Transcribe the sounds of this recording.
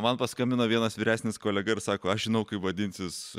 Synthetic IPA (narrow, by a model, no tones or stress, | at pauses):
mɐnpɐskɐmʲbʲɪnoːʋʲiɛnɐsʋʲiːɾʲæːsʲnʲɪskoːlʲɛɡɐɪɾsɑːkoːɐʃʒʲɪnɐʊkɐɪpʋɐd̪ʲɪnʲsʲɪs